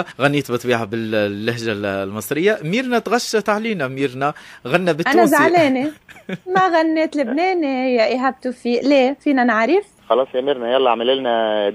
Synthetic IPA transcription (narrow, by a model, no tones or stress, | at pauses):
ɣanːiːt̪bɨt̪ˤbiːʕabɪllːɪhʒalmɨsˤɾɪjːamiːɾnæt̪ɣaʃːat̪ʕaliːnæmiːɾnæɣanːæbɪtʔanæzʕleːnimæɣanːeːt̪lɪbneːnijaʔɪɦab̚t̪ufiːleːfiːnanaʕɾɪf | xɑlɑːsˤjæmiɾnæjælːaʕmɪlɪlnæ